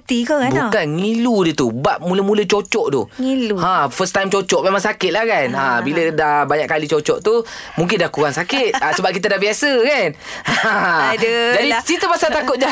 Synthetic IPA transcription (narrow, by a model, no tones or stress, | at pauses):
t̪ikəkbkanŋiludət̪ubaʔmuləmũlət͡ʃot͡ʃɔʔdʊ̰hŋiluafəst̪ajmt͡ʃot͡ʃɔʔmemaŋsakɪt̪̚lahkanabilədabaɲaʔkːalit͡ʃot͡ʃɔʔt̪umũŋk̬ɪndahkuɾaŋsakɪt̪̚asəbap̚kit̪adahbiasəkan | dəd͡ʒadisit̪əpasat̪akʊt̪̚d͡ʒa